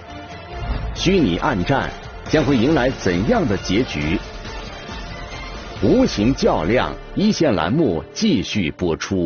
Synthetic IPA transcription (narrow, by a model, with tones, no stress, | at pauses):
ɕy˥nḭ˨˩ʔa˥˧nʈ͡ʂa̰˥˩n | t͡ɕjɑ˥ŋxwe˥˩ɪi˧˥ŋla˧˥ɪt͡sə˨˩njɑ˥˩ŋd̪ə˩t͡ɕjɛ˧˥t͡ɕy˧˥ | u˧˥ɕʰi˧˥ŋt͡ɕjɑ˥˧ʊljɑ̰˥˩ŋ | i˥ɕjɛ˥˩nla̰˧˥nmu˥˩t͡ɕi˥˧ɕy˥˩pwɔ˥ʈ͡ʂʰu˥